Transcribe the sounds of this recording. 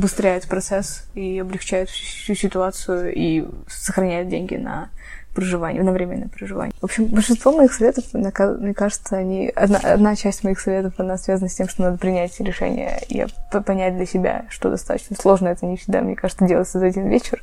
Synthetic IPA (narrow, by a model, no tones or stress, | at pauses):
ɐbʊst̪ɾʲæjʊt̪pɾɐt̪sɛs | iɐblʲɪxt͡ɕæjʊt̪fsʲusʲɪt̪ʊat̪sʊjʊi | səxɾɐnʲæjʊt̪̚dʲenʲɡʲɪ̰nə̰pɾəʐɨvanʲɪ̰nɐvɾʲemʲɪnːəjpɾəʐɨva̰nʲɪvo̞pɕɪmbəlʲʂɨnst̪vo̞mɐixsɐvʲet̪əfmnʲkmnʲekaʐɨt̪səɐnʲiɐ̰d̪na̰ʔɐ̰d̪nat͡ɕæsʲtʲmɐixsɐvʲe̞t̪əfɐnasvʲazənəsʲtʲemʂt̪onad̪əpɾʲɪnʲætʲɾʲɪʂɛ̰nʲɪ̰jə̰ḭa̰ppɐnʲæt̚ʲd̪lʲəsʲɪbʲa̰ʂt̪o̞̰d̪ɐ̰st̪a̰t̪ə̥t͡ɕnəslˠo̞ʐnəɛt̪ənʲɪfsʲɪd̪a̰mnʲekaʐɨt̪sədʲelˠəɪt̪səzɐdʲinvʲet͡ɕɪr